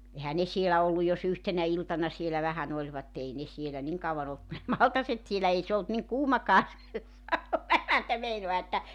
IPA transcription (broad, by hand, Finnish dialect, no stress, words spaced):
ehæ ne sielæ olːu jos yhtenæ iltɑnɑ sielæ ʋæhæn olʲʋɑtːe ei ne sielæ niŋ kɑuwɑn olt ku ne mɑltɑset sielæ ei se olt niŋ kuːmɑkɑː se sɑunɑ emæntæ meinoɑ etːæ